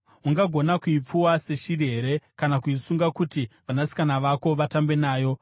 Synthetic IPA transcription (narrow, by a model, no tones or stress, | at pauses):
uŋɡaɡʱo̞nakuip͡fuwase̞ʃiɾiɦe̞ɾe̞kanakuisuŋɡakutiʋanasi̥kanaʋako̞ʋatambe̞naːjo̞